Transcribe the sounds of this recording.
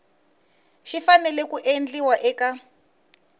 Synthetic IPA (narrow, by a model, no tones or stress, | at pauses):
ʃifanɛlɛkuʔend͡ɮiwaʔɛka